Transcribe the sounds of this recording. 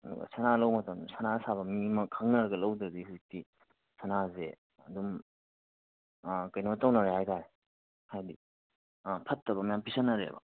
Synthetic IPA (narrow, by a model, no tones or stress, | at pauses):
ɐdṵɡɐ̰sanalɐwmɐtɐmsʰanasaβɐmimɐkʰaŋnɐɾɐɡɐlɐwdɾɐdihuzik̚ti | sʰanaze | ɐdum | kɐjnotawnɐɾehajtaɾe | hajdi | pʰɐtːɐβɐmajampʰisanːɐɾḛbɐ̰